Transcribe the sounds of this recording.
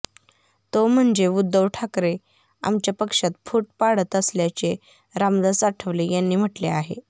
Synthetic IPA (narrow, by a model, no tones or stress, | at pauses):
t̪om̤əɳd͡zeud̪ːəʋʈʰakɾe | a̰mt͡ɕjapəkʂat̪̚fuːʈ̚paɽət̪əsljat͡ɕe | ɾamd̪asaʈʰəʋlejanːiːm̤əʈleaɦḛ